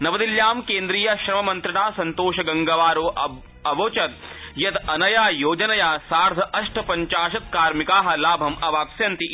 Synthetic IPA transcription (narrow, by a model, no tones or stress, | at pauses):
nɐʋɐd̪iljaːmkeːnd̪ɾiːjɐʃɾɐmɐmɐnt̪ɾɐɽaːsɐnt̪oːʃɐɡɐŋɡɐʋaːɾoː | ɐboːt͡ʃɐt̪̚jɐt̪ɐnɐjaːjoːd͡ʒɐnɐjaːsaːɾd̪ʱɐʔɐʂʈʰɐpɐɲt͡ʃaːʃɐt̪̚kaːɾmikaːɦɐlaːbʱɐmɐʋaːpsjɐnt̪i